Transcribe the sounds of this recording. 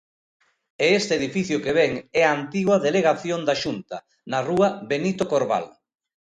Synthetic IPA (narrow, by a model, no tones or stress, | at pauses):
eest̪eðifiθjʊkeβɛŋɛant̪iɣwɐðeleɣaθjond̪aʃunt̪ɐ | naruɐβenit̪okoɾβa̰l